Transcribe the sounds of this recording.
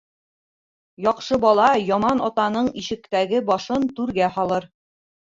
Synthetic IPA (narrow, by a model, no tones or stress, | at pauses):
jɒqʃɤbɒlˠɑjɒmɑnɒt̪ɑnɤɴiʃɘ̆kt̪æɡɘbɒʃɤnt̪ʉɾɡæhɒlˠɤɾ